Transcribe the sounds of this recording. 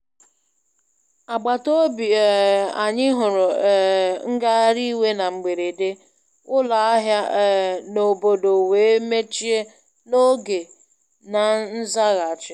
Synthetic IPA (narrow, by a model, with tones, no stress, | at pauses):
a˨ɡ͡ba˨to˦bi˨a˨ɲɪ˦ɦʊ˨ɾʊ˨ | ŋ̩˦ɡa˦ɾi˦we˦na˨ŋ͡m̩˨ɡ͡be˨ɾe˨de˦ | ʊ˦la˨a˦ɦja˦˨no˨bo˨do˨we˨e˦me˦t͡ʃi˦e˦ | no˦ɡe˨ | na˨n̩˦za˦ɣa˨t͡ʃɪ˦